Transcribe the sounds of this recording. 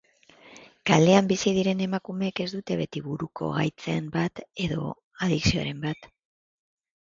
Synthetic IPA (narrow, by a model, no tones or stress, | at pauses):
kald̪e̞ambisið̞iɾe̞ne̞makume̞ːke̞zd̪ut̪e̞βe̞t̪iβuɾuko̞̰ɣa̰jt͡sembat̪e̞ðo̞̰ | að̞iksio̞̰ɾe̞mbat̪